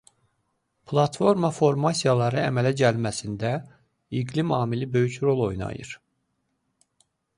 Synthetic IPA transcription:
pʰlˠɑt̪fo̞ɾmɑfo̞ɾmɑsijɑlˠɑɾɯæmælæɟælmæsind̪æ | iɡlimɑːmilibø̞jycɾo̞lˠo̞jnɑ̰jɯ̰ɾ̥

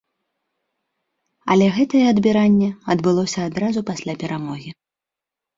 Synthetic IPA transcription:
ɐ̰lʲɛɣɛt̪ɐjɛɐd̪bʲiɾanʲːɛɐd̪bɨlˠɔsʲɐːd̪ɾazupasʲlʲapʲɛɾamɔɣʲi

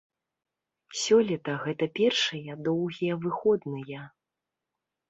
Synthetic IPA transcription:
sʲɔlʲit̪ɐɣɛt̪ɐpʲɛrʂɨjɐd̪ɔwɣʲijɐvɨxɔd̪nɨjɐ

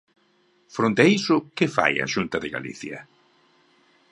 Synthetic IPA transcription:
fɾont̪aisʊkɪfa̰jɐ̰ʃunt̪ɐðɪɣa̰lḭθjɐ̰

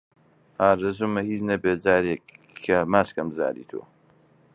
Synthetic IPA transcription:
haːɾɐzumɐhiːt͡ʃnɐbeːd͡ʒaːɾekʰː | ɐmaːt͡ʃkɐmza̰ːɾḭːt̪ʰo̰ː

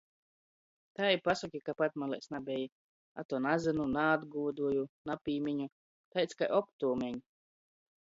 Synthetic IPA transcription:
t̪ajipasukʲikapat̪malˠɛ̰jsnabʲɛji | a̰t̪ɔɔnazɨnunaːd̪ɡuːd̪uɔjunapʲiːmʲiɲu | t̪ajt̪sʲkajʔɔp̚t̪uːmʲɛɲ

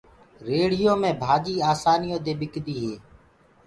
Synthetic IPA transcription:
ɾeːɽ̤ɪjõːmẽːbʱaːɗiːaːsaːnijõːd̪eːɓɪkd̪iːɦeː

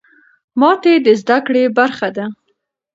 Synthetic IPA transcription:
mɑt̪ed̪əzd̪akɽebaɾxad̪a

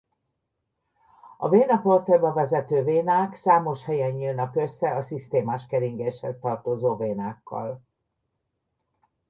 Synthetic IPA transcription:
ɒ̰veːnɒport̪ɛlbɒvɛzɛt̪øːveːnaːksaːmo̞ʃhɛjɛɲːiːlnɒkø̞sːɛɒsist̪eːmaːʃkɛɾiŋɡeːʃhɛst̪ɒrt̪oːzoːveːnaːkːɒ̰l

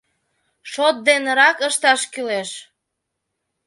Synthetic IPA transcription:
ʃot̪̚d̪enɾɑkəʃt̪ɑʃkyleʃ

